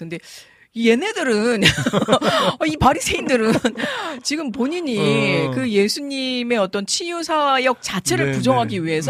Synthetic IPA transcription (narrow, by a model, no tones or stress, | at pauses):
kɯnde̞ | ije̞ne̞dɯɾɯn | ʌipaɾisʰe̞indɯɾɯnt͡ɕiɡɯmpoɲiɲikɯje̞sʰuɲime̞ʌt͈ʌnt͡ɕʰijusʰajʌk̚t͡ɕat͡ɕʰe̞ɾɯɭpud͡ʑʌŋɦaɡiɥiɦe̞sʰ